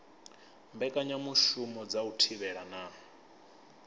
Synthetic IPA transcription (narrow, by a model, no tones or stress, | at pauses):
mbɛkʼaɲamuʃumɔd͡zautʰiβɛɺana